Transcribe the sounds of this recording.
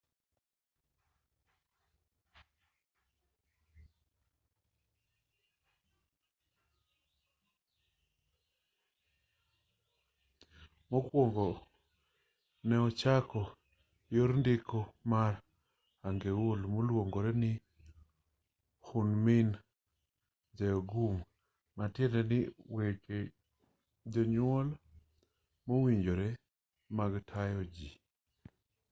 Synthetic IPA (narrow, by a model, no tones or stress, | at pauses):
mokwoŋɡɔ | nɛɔt͡ʃakɔ | joɾndɪkʰomaɾ | aŋɡewolmolwoŋɡoɾɛnɪ | hunmin | d͡ʒɛjɔɡum | matjɛndɛnɪweke | d͡ʒɔɲwɔl | mowiɲd͡ʒoɾɛ | maɡtʰajɔd͡ʒi